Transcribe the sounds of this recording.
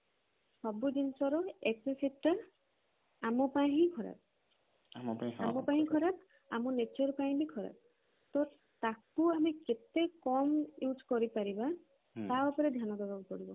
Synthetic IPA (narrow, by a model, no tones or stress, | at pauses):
sɔbudinsɔɾɔeksesita | amɔpaɦĩkʰɔɹa̰p̚ | aamɔpaɦĩkʰɔɾap̚ | amunet͡ʃɔɾpaĩbikʰɔɾa̰p̚ | t̪ɔ | t̪akuamiket̪ekɔmjuzkɔɹipaɹiba | awpɔɾɛd̪ʱjanɔdɔɡabpɔɹibɔ